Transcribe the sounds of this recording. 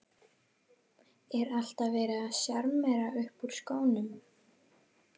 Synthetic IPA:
ɛɾal̥t̪avɛːɾɪðasjaɾmmɛɾaʏhpuɾ̥skoːwnʏm

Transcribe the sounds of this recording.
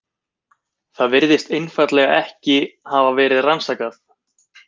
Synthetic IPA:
θaðvɪɾðɪst̪ejnfat̪lɛɣaɛhcɪhaːvavɛːɾɪðransaːkaθ

